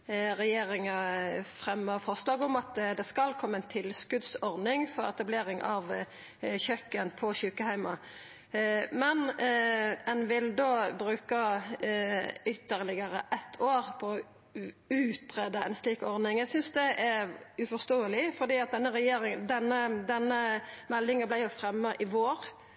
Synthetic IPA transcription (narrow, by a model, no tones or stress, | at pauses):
ɾɛjeːɾɪŋəfʁɛmːəfɔʁslɑːɡɔmɑt̪d̪ɛskɑlkʰɔmːəɛɪnt̪ʰɪlskʉd̪sɔɾdnɪŋfɔɾɛ̰t̪ɑbleːɾɪŋɑʋ | çœkːənpʰɔçʉːkəhæɪmɑ | mɛn | ɛnʋɪld̪oːbɾʉːkə | ʏt̪ːəʁlɪɡəʁəʔɛt̪ʰːoːʁpʰɔː | ʉːt̪ʁeːd̪əɛ̰nsliːkɔɾd̪ɪŋæɪɡsʏnsd̪ɛʔæɾʉfɔʁst̪oːəlɪfɔd̪iːɑt̪̚d̪ɛnːəɾɛjeːɾɪŋd̪ɛnːəd̪ɛnːəmɛlːɪŋɑblæɪjʊfɾɛmːəʔɪʋoːɾ